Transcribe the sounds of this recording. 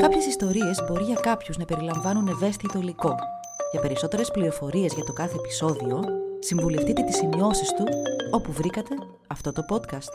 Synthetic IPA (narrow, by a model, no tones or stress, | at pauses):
kɐpçe̞sist̪o̞ɾie̞zbo̞ɾiʝɐkɐpçuznɐpe̞ɾilɐɱvɐnune̞ve̞st̪it̪o̞iliko̞ | ʝɐpe̞ɾiso̞t̪e̞ɾe̞spliɾo̞fo̞ɾie̞zʝɐt̪o̞kɐθe̞ːpi̥so̞ðio̞siɱvule̞ft̪it̪e̞t̪i̥simio̞sist̪uo̞puvɾikɐt̪e̞ | ɐft̪o̞t̪o̞po̞t̪kɐst̪